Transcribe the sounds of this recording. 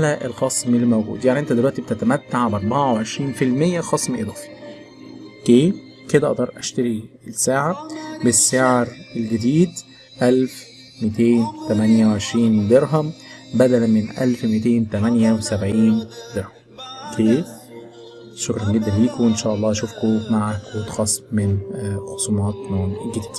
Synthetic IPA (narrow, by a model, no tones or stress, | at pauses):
alæʔelxɑsˤmelːmowɡṵːd̪jaʕniʔent̪æd̪elwæʔt̪ibet̪æt̪æmæt̪ːaʕbʔɑɾˤbɑʕaweʕeʃɾiːnfilmejːæxɑsˤmʔed̪ˤɑːfi̥ | keː | ked̪æʔɑʔd̪ɑɾˤʔæʃt̪æɾi | lsaːʕabesːeʕɾelɡæd̪iːd̪ | ʔælf | met̪eːnt̪æmænjæweʕeʃɾiːnd̪eɾɦæmbæd̪ælæmenʔæ̰lfmit̪eːnt̪æmænjæwesæbʕiːnd̪eɾhæmkʰeː | ʃokɾˤɑnɡed̪ːænliːkowenʃæːʔɑlˤːɑːʃuːfkomaʕakwet̪xɑsˤmenxosˤumɑːt̪noːnɡed̪ːd̪